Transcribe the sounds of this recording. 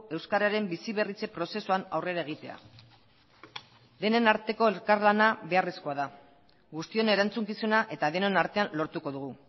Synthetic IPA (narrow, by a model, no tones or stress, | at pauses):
e̞wskaɾaɾe̞mbisiβ̞e̞rit͡se̞pɾo̞se̞suanawre̞ɾaeɣ̞it̪e̞a̰ | d̪e̞ne̞naɾt̪e̞ko̞e̞lkaɾlanaβe̞aresko̞aða | ɣust̪io̞ne̞ɾant͡suŋkisunaʔe̞t̪aðenonaɾt̪e̞anlo̞ɾt̪uko̞ðuɣ̞u